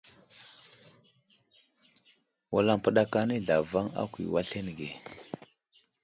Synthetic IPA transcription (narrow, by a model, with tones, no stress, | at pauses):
wa˨la˨ŋpə˦ɗa˦ka˦ni˦ɮa˨va˦ŋa̰˦kʷḭ˨wa˦ɬe˦n˨ɡe˨